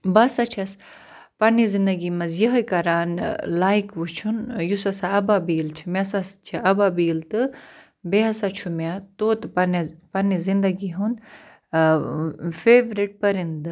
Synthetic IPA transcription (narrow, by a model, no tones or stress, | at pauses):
bɐsat͡ʃʰɐs | pɐnizind̪ɐɡimɐzjɐɦɐkɐɾaːnlaːjikʋut͡ʃʰunjusɐsaɐbabiːlt͡ʃʰi̥mʲasast͡ʃʰiɐbabiːlt̪ɨ | beɦɐsat͡ʃʰumʲat̪oːt̪ɨpɐnpɐnizind̪ɐɡiɦund̪ | feːʋɾiʈ̚pɐɾind̪ɨ